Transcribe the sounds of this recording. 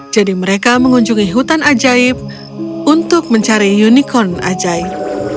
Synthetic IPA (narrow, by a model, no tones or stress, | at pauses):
d͡ʒadiməɾekaməŋuɲd͡ʒuŋiɦut̪anad͡ʒaɪp̚ | unt̪ʊk̚məɲt͡ʃaɾijunikɔna̰d͡ʒaɪp̚